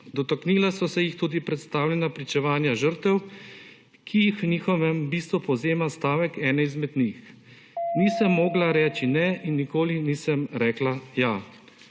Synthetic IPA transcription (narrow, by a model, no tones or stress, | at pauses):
d̪ɔt̪akniːlasɔsɛjixt̪uːd̪ipɾɛt̪st̪aːwlʲɛnapɾit͡ʃɛʋaːnjaʒəɾt̪ɛw | kʰijixwnʲiːxɔʋɛmbiːst̪ʋupɔwzeːmast̪aːʋɛkɛːnɛizmɛd̪nix | niːsəmːɔːɡlaɾɛːt͡ʃinɛinːikoːliniːsɛmɾɛːklaja